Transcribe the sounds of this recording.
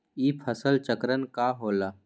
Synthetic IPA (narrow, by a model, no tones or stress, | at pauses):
iːpʰəsəlt͡ʃəkɾənkaɦoːlaː